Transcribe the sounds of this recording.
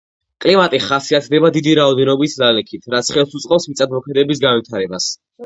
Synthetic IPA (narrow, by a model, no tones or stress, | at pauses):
kʼlimat̪ʼiχasiat̪ʰd̪ɛbad̪id̪iɾaɔd̪ɛnɔbislalɛkʰit̪ʰɾat̪sʰχɛlˠsut̪sʼqʼɔpsmit̪sʼad̪mɔkʰmɛd̪ɛbisɡanwit̪ʰaɾɛbas